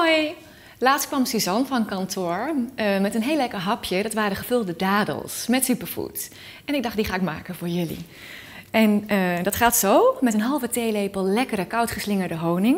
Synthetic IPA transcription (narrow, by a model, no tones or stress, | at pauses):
oj | laːtst̚kʋɑmsizɔnvɑnnkɑntoːɹmɛtənɦejlɛkəɹɦɑpʰjədɑtʋaːɾəχəv̥ɵlˠdədaːdə̰lˠsmɛtsypəɹfṵt | ɛnɪɡ̚dɑχdiχaːɪk̚ma̰ːkənvʊːɹjɵlḭ | ʔɛndɑtχaːtsowmɛtənɦɑlˠvətejlejpəlˠlɛkəɾəkʌwtχəslɪŋəɹdəɦownɪŋ